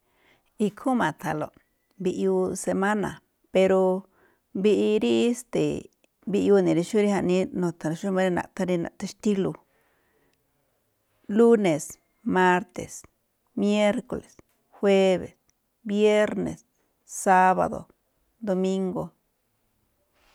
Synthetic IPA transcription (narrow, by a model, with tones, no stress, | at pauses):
i˧kʰu˦mã˨t̪ʰa˨lo̰˨ | bi˧ʔu˧se˧ma˦na̰˨ | pe˧ɾo˧ | bi˧ʔi˧ɾi˦st̪e˨ | bi˧ju˧nĩ˨ɾi˧ʃu˦ɾi˦ha˧ʔnĩ˧nõ˨t̪ʰa˨lo˧ʃu˦mã˧ɾi˧nã̰˨ʔt̪a˧ɾi˧nã̰˨ʔt̪e˧ʃt̪i˦lu˧ | lu˦ne˨s | ma˦ɾt̪ḛ˨s | mje˦ɾko̰˨le˨s | xwe˦βḛ˨s | bje˦ɾnḛ˨s | sa˦βa̰˨d̪o̰˨ | d̪o˧mi˦ŋɡo˧